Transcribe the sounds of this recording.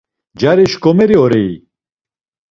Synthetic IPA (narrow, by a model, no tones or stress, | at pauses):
d͡ʑaɾeɕkomeɾioɾei